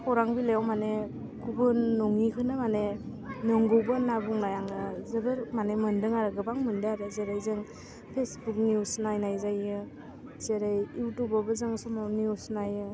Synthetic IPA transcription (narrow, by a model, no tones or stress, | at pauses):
kɔɾaŋbilejawmane | kubɯnːɔŋikʰɯnɯmane | nɯŋɡɯwbɯnabuŋnajaŋɯzɯbɯɾmanemɯndɯŋaɾɯɡɯbaŋmɯndɯaɾɯzeɾajzɯŋ | pʰesbuk̚niusnajnajzajɯ | zeɾajiwtubɔbɯzɯŋsɔmawniusnajɯ